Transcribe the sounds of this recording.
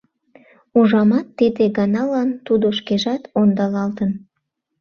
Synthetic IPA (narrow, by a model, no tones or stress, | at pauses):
uʒɑmɑt̪ːid̪eɡɑnɑlɑnt̪ud̪oʃkeʒɑt̪ond̪ɑlɑlt̪ən